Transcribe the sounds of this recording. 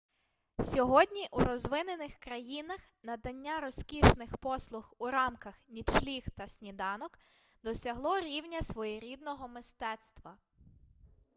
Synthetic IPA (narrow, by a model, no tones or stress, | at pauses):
sʲɔɦɔdʲnʲiʔuɾɔzʋɪnenɪxkɾɐjinɐx | nɐd̪ɐnʲːaɾɔsʲkʲiʃnɪxpɔslˠʊxuɾɑmkɐxnʲid̪ʃlʲixt̪ɐsʲnʲid̪ɑnɔk | d̪ɔsʲɐɦlˠɔɾʲiwnʲɐsʋɔjiɾʲid̪̚nɔɦɔmɪst̪ɛt̪st̪ʋɐ